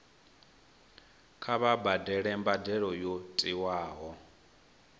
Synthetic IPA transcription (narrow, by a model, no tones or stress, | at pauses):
kʰaβabadɛɺɛmbadɛɺɔjotʼiwaːɦɔ